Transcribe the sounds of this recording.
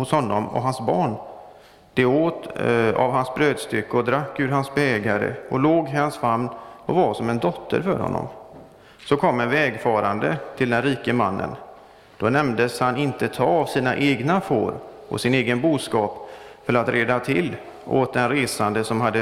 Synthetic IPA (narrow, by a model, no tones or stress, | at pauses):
hʊshɔnːɔmɔ̰ɦansbɑːɳ | d̪̥ɛoːt̪a̰vhansbɾøːd̪st̪ʏkːəɔd̪ɾakːʉ̟ːɾɦansbɛɛːɡaɾə̰ɔloːɡɦɪhansvamnɔvaʂɔmɛnd̪ɔt̪ʰːə̰ɾfœ̰ɾhɔ̰nːɔ̰m | sɔkʰɔmːɛnvɛːɡfɑːɾand̪ət̪ʰɪld̪ɛnɾiːkəma̰nːə̰n | d̪̥ɔnɛmd̪əshanɪnt̪ət̪ʰɑːavsiːna̰ʔeːɡnafo̰ːɾ | ɔ̰sɪneːɡənbuːd̪skɑːpfœɾat̪ɾeːd̪at̪ʰɪl | ʔoːt̪̚d̪ɛnɾeːsand̪əsɔmɦad̪ːə